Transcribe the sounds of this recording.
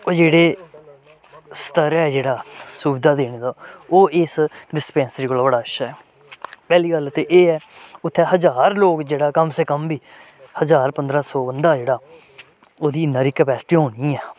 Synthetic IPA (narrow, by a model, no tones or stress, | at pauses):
oːd͡ʒeːɽeː | st̪əɾɛːd͡ʒeːɽaːsuːbɪd̪aːd̪eːɽ̃eːd̪aːoːʔɪsɖɪspɛ̃ːnsəɾiːkoːlaːbəɽaːɪʃaːɛː | pɛːliːkəlt̪eːʔeːɛːʊt̪ʰːɛːɦəzaːɾloːkd͡ʒeːɽaːkəmseːkəmbiː | həzaːɾpənd̪ɾãːsɔːʋənd̪aːd͡ʒeːɽaː | oːd̪iːɪnːãːɾiːkɛpɛːsɪ̥ʈiːɦoːniːɛː